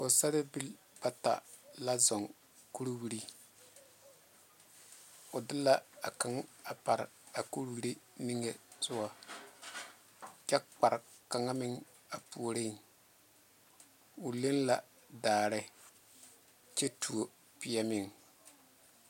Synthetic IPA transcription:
ʊ˨sa˦ɾɪ˦bi˦l | ba˦ta̰˨la˦zɔ˨ŋ | ku˦ɾwi˨ɾi˦ | ʊ˨dɪ˦la˦a̰˨ka˨˦ŋa˨pa˨ɾ̰a˨ku˦ɾwi˦ɾi˦ni˦ŋe˨zʊ˦wa˦˨ | t͡ʃɛ˦k͡pa˨ɾka˨ŋa˦mɪ˦ŋ | a˨pu˨o˨ɾe˦˨ŋ | ʊ˨le˦nla̰˨ | daː˨ɾɪ˦ | t͡ʃe˦tʰu˨o˨ | pɪ˨jɛ˦mɪ˦˨ŋ

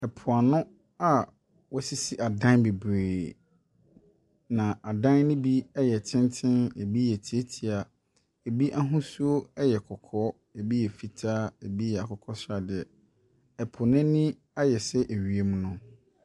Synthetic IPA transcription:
ɛ˨pʰʊ˨a˨nʊ̃˦ | a˨ | wɔ˦si˦si˦ʔa˨dã˦nbe˨bɾeː˨ | nã˨a˨dã˦n˦nʊ̃˦bi˦ɛ˦jɛ˨tʰɪ̃˦ntʰɪ̃˦ne˨bi˦jɛ˨tʰi˨˦e˦tʰi˨a˨ | e˨bi˦ʔa˦ɦʊ̃˦su˦o˦ɛ˦jɛ˨kʰɔ˨kʰɔ˦ | e˨bi˦jɛ˨fi˨tʰaː˦e˨bi˦jɛ˨a˨kʰɔ˨kʰɔ˦sɾa˨dɪ˨ɛ˨ | ɛ˨pʰʊ˨nɛ̃˦nɪ̃˦ | a˦jɛ˨sɛ˦ʔe˨ɥi˨e˦mũ˦nʊ̃˦

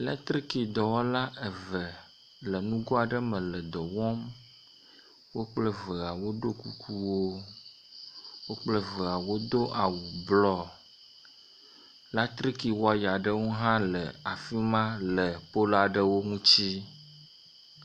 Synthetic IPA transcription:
lɛ˦t̪ɾi˦ki˨d̪ɔ˨wɔ˦la˦ʔɛ˨və˨ | lə˨nũ˦ɡɔ˦a˨ɖə˦mə̃˨lə˨d̪ɔ˨wɔ˦m | wo˦k͡plə˦və˨ɣa˨wo˦ɖo˦ku˦kʰu˦wo˦ | wo˦k͡plə˦və˨ɣa˨wo˦d̪o˦ʔa˨wu˨blɔ˦ | la˦t̪ɾi˦ki˨wɔ˦a˦ja˨ɖə˦wo˦ɦã˦lə˨a˨fi˦mã˦lə˨po˦la˨ɖə˦wo˦ŋũ˦t͡ɕi˦

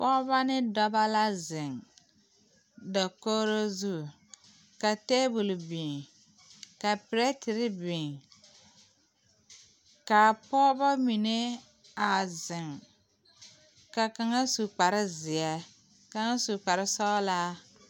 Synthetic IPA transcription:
pɔː˦βa˦nɪ˦dɔ˦ba˦la˦zɪ˨ŋ | da˨ko˦ɾo˦zu˦˨ | ka˨teː˦bu˨lbi˨ŋ | ka˨pɪ˨ɾe˦tɪ˨ɾɪ˦bɪ˨ŋ | ka˨pɔː˦ba˦mi˨ne˦ | a˨zɪ˨ŋ | ka˨ka˨ŋa˦su˨k͡pa˨ɾɪ˦zɪ˨a˦ | ka˨ŋa˦su˨k͡pa˨ɾɪ˦sɔ˦la˦

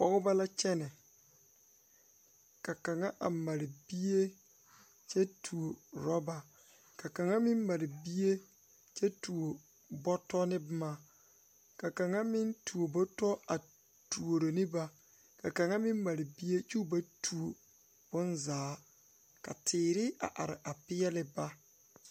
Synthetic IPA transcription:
pɔ˦ɣʊ˦ba˦la˦t͡ʃɛ˦nɛ˨ | ka˨ka˨ŋa˦ʔa˨ma˨ɾɪ˨bi˦je˦ | t͡ʃɛ˦tʰu˨o˨ɾɔ˦ba˨ | ka˨ka˨ŋa˦mɪ˦m˦ma˨ɾɪ˨bi˦je˦ | t͡ʃɛ˦tu˨o˨ | bɔ˦tɔ˦nɪ˦bʊ˦ma˦˨ | ka˨ka˨ŋa˦mɪ˦ntʰu˨o˨bo˦tɔ˦a˨ | tu˨o˨ɾo˨nɪ˦ba˨ | ka˨ka˨ŋa˦mɪ˦m˦ma˨ɾɪ˨bi˦je˦t͡ʃu˦ba˦tʰu˨o˨ | b̥ʊ˦nzaː˨˦ | ka̰˨tʰɪː˨ɾɪ˦a̰˨ʔa˨ɾɪ̰˨ʔa˨pɪ˦jɛ˦lɪ˦ba˦

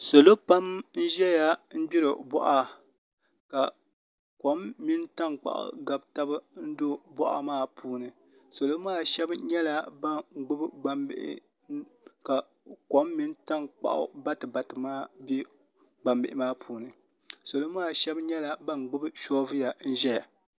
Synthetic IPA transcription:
so˨lo˦pa˦mn̩˦ʒɛ˦ja˦n̩˦bi˦ɾɨ˨bɔ̰˦ʔa˦ | ka˨ | ko˨˦mːi˦nta˦nk͡pa̰˨ʔʊ̰˨ɡa˨bta˦bɨ˦n̩˦do˦bɔ˦ʔa̰˨maː˦pʰuː˦nɨ˨ | so˨lo˦maː˦˨ʃɛ˦bɲɛ˦la˨ba˦˨ɡ͡bʊ˦bɨ˦ɡ͡ba˨mbɪ̰˨ʔɪ̰˦ | ka˨ | ko˦mːi˦n˦ta˦nk͡pa̰˨ʔʊ̰˨ba˦tɨ˨ba˨tɨ˨maː˦bi˦ | ɡ͡ba˨mbɪ˨ʔɪ˦maː˦pʰuː˨nɨ˨ | so˨lo˦m˦aː˦˨ʃɛ˦bɲɛ˦la˨ba˦n˨ɡ͡bʊ˦bɨ˦ʃɔ˦vɨ˦ja˨n̩˦ʒɛ˦ja˨

